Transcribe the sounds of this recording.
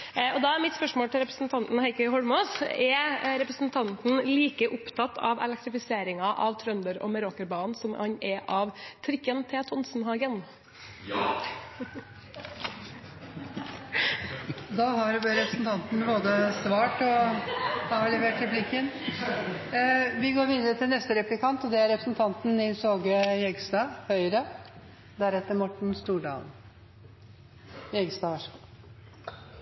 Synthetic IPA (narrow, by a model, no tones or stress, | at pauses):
ɔd̪ɑæɾmɪt̪spœʂmoːlt̪ʰɪlɾɛpɾəsn̩t̪ʰɑnt̪n̩hæɪkəhɔɽmoːsɛɾɛpɾəsn̩t̪ʰɑnt̪n̩liːkəʔʊpt̪ʰɑt̪ʰːɑ̰ʋɛ̰lɛk̚t̪ɾɪfɪseːɾɪŋɑʔɑʋt̪ʰɾœnd̪əɾɔ̰məɾokəɾbɑːnsɔmɑ̰nʔɛʔɑʋt̪ʰɾɪkːənt̪ʰɛt̪ʰɔnsnɦɑːɡən | d̪ɑːʋɑɾɾɛpɾəsn̩t̪ʰɑnt̪ən̩mɛboːd̪əsʋɑːʈɔ | ɑɭɛʋeːʈɾɛplɪkːən | ʋɪɡoːɾʋiːd̪əɾət̪ʰɪlnɛst̪əɾɛplɪkʰɑnt̪ɔd̪ɛæɾɛpɾəsn̩t̪ʰɑnt̪nɪsoːɡəjɛɡst̪ɑːhœʏɾə | d̪æɾɛt̪ːəɾmɔʈːɳ̩st̪uːɖɑ̰ːl | jɛɡəst̪ɑːʋæʂku